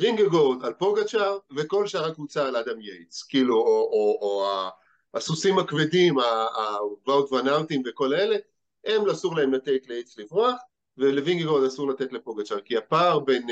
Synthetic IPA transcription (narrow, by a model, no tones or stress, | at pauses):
viŋɡeɡoʁd̪alpo̞ɡat͡ʃaʁveko̞lʃaʁakut͡saːlad̪amjejt͡skiːluoʔoːa | asusimakvedimaː | vawt̪vanaltimve̞ko̞lele̞ | emlasuʁlaemlate̞tleejt͡slivʁoaχ | veleviŋɡeɡo̞ʁd̪asuʁlat̪etlepoɡat͡ʃaʁkiapaʁben